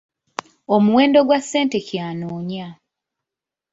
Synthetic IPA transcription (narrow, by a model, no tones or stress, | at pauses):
omuweːndo̞ɡwasːe̞ːntecjaːnoːɲa